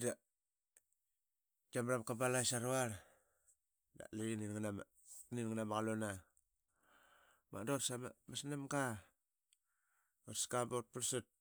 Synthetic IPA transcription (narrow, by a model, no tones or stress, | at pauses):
da | d͡ʒamɾamkabalajsaɾuaɾ | da̰liiniŋnam | ninŋanamaɣalona | ma̰dotsama̰masnamɡa | otskabot̚puɾsut̚